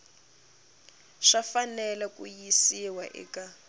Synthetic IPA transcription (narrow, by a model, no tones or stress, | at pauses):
ʂafanɛlakʼṵjisiwaʔɛ̰ka